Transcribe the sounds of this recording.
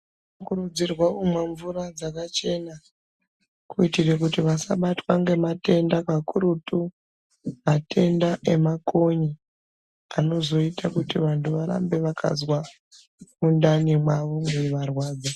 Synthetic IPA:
okurud͡zirwakumwaɱvurad͡zakat͡ʃe̞na | kuitirekutiʋasa̰ɓatwaŋɡe̞mate̞ndakakuɾutu | matʰe̞ndaʔe̞mako̞ɲi | ano̞zo̞itakutiʋantʰuʋaɾa̰mbe̞ʋakʰa̰zwa | mundanimwaʋo̞ŋɡeʋarwaːd͡za

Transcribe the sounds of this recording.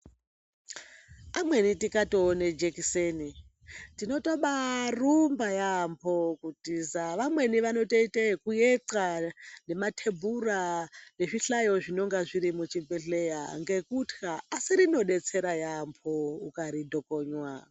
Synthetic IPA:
amwe̞nitikatoːned͡ʒekiseni | tinotoɓarumbajampʰo̞kutisaʋamwe̞niʋano̞toitekujeǀane̞matʰebʱurane̞ʐiɬajo̞ʐino̞ŋɡaʐiɾimut͡ʃimbeɬeja̰ŋɡe̞kutkaːsiɾino̞ɗe̞t͡se̞ɾajampʰoukaɾidʱo̞koːɲwaːo

